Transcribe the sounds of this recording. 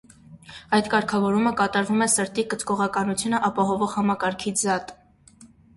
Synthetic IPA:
ɑjd̪kɑɾkʰɑvɔɾuməkɑt̪ɑɾvumɛsəɾt̪ikət͡skɔʁɑkɑnut͡sʰjunəʔɑpɑɦɔvɔʁhɑmɑkɑɾkʰid͡zɑt̪

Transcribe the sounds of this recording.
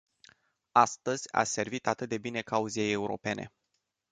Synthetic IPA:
ast̪əz̥ʲa̰se̞rvit̪at̪ɨt̪̚d̪e̞bine̞kauzieje̞uɾo̞̰pe̞nʔe̞̰

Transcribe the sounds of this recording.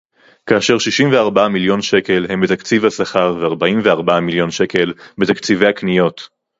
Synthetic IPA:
kaːʃe̞ʁʃiʃimveaʁbaamiljo̞nʃe̞ke̞lhe̞mbet̪akt͡sivhasaχaʁveaʁbaimveaʁbaamiljo̞nʃe̞ke̞lbet̪akt͡sive̞jhaknijo̞t

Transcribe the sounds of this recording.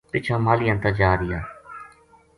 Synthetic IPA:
pɪt͡ʃʰãːmaːlɪjãnt̪ãːd͡ʒaːɾɪja̰ː

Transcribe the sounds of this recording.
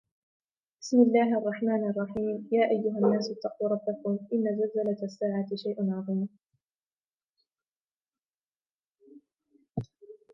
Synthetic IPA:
b̥ɪsmɪlːaːɦʔɑrˤːɑħmaːnʔɑrˤːɑħiːmjaːʔajːʊɦanːaːsɪt̪ːɑquːɾˤɑbːakʊmʔɪnːazalzalat̪asːaːʕat̪ɪʃajʔanʕɑðˤiːm

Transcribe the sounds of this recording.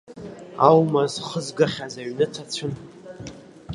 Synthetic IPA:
awmazχəzɡaχʲazaɥnɨtʰat͡sʷʰʊn

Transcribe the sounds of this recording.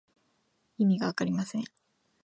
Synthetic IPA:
imʲiɡaβakaɾʲimasẽ̞

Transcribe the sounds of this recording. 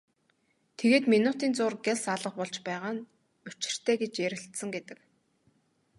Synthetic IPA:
t̪ʰeɣeːt̪minʊt̪iːnt͡sʊːrɡeɮsaɮə̆qpɔɮt͡ɕpæːʁaːn | ʊt͡ɕɪ̥̆r̥t̪ʰeːɡet͡ɕjæɾɪ̆ɬt̪sə̆ŋɡet̪ɘ̆k

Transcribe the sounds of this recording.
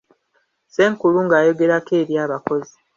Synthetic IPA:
se̞ːŋkuluŋɡaːjo̞ɡe̞ɾake̞ːβjaːβako̞zi

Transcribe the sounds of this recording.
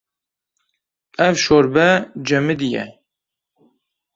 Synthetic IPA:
ɛvʃoɾbɛd͡ʒɛmɨd̪ijɛ̰

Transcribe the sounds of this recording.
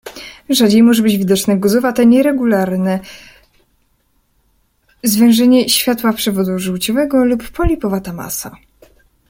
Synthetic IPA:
ʐad͡ʑejmɔʐɛbɘd͡ʑvʲid̪ɔt͡ʂnɛɡɔzɔvat̪ɛɲɛɾɛɡulaɾnɛ | zvʲɛ̃w̃ʐɛɲɛɕfʲjat̪wapʂɛvɔd̪uʐɨwt͡ɕɔvɛɡɔlupːɔlʲipɔvat̪ama̰sa̰

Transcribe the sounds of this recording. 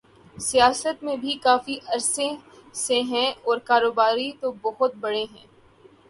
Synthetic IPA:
sijaːsət̪mẽbʱikaːfiʔɐɾsẽseɦɛ̃ɔːɾkaːɾoːbaːɾit̪obɐɦʊt̪̚bɐɽeɦɛ̰̃ː

